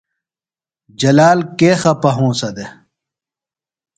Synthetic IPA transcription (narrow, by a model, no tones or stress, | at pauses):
d͡ʑɐlaːlkeːxɐpɐɦũːsɐd̪e